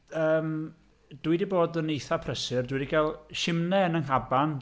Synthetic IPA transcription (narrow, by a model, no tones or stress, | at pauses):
əːm | d̥wɨdiboːdənejθapʰrəsɪrdwɨdiɡalˠʃɪmnɛnəŋɦaban